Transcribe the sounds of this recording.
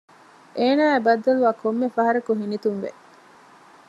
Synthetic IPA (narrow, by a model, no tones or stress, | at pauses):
ʔeːnaːebɐd̪ːɐluʋaːkʰomːefɐɦɐɾɐkuɦinit̪unʋḛ